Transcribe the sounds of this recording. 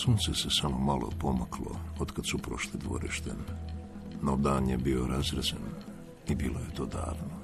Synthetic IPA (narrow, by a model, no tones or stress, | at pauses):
suːnt̪sesesamomalˠʔopo̞makʰlo̰od̪kad̪supɾoʃlid̪ʋo̰ɾiʃt̪en | nod̪aːnjebio̞ɾazɾazen | ibiːloje̞t̪oːd̪a̰ːʋno